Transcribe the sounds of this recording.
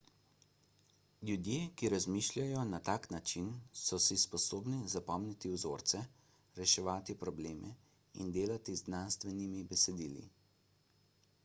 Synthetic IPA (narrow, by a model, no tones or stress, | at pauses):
lʲjud̪jeːkiɾazmiːʃlʲjajɔnat̪aːknat͡ʃinsɔsispɔsoːbnizapɔmnit̪iwzo̰ːɾt̪sɛ | ɾɛʃɛʋaːt̪ipɾɔbleːmɛ̰ | ḭnd̪eːlat̪iznanst̪ʋɛnimibɛsɛd̪iːlḭ